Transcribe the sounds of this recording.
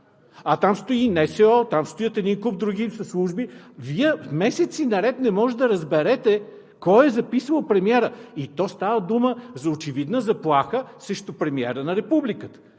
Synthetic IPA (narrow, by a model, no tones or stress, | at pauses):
ɐt̪amst̪oinɛsɛɔt̪amst̪oijət̪ɛd̪inkup̚d̪ɾuɡ̟isɐslˠuʒbiviɛfmɛsɛt̪sinɐɾɛt̪nɛmɔʒɛd̪ɐɾɐzbɛɾɛt̪ɛ | kɔjɛzɐpisvəlˠpɾɛmiɛɾəit̪ɔst̪avəd̪uməzɐot͡ʃɛvid̪nəzɐplˠaxəsɾɛʃt̪ʊpɾɛmiɛ̰ɾənɐɾɛpublikət̪ə̥